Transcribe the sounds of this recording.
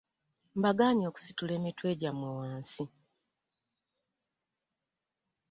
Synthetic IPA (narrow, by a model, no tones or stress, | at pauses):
mbaɡaːɲo̞ːku̥situle̞ːmetwe̞ːɟamwewaːnsi